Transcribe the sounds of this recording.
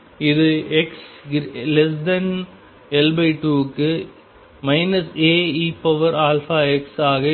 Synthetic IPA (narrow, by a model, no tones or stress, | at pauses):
ɪðɯɛkslɛs̬dɐn | ɛlbɐɪʈuːkːɯ | mɐɪnɐseːiːpɐʋɐɾaːlfaːɛksaːɣɐ